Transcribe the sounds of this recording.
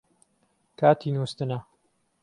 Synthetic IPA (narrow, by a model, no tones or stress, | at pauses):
kʰaːt̪ʰiːnust̪ɨnɐ